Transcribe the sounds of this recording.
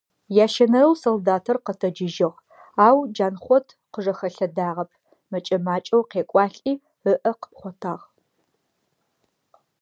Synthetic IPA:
jaːʃɐnɐɾɐwsoldaːtʰɐrqətʰɐd͡ʒɪʒɪʁ | aːwd͡ʒaːnχʷɔtʰ | qəʐɐxɐɬɐdaːʁɐpʰ | mɐt͡ʃʼɐmaːt͡ʃʼɐwqeːkʷʼɑːɬʼiː | əʔɐqə̥pχʷɔtʰaːʁ

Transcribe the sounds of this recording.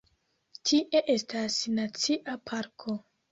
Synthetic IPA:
tʰiʔe̞ʔe̞stasnat͡siʔapʰaɾkʰo

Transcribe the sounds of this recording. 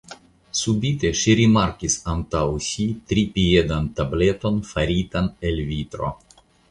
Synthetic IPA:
subit̪eʃiɾimaɾkisant̪awsit̪ɾipied̪ant̪ablet̪o̞nfaɾit̪anelvit̪ɾo̞̰

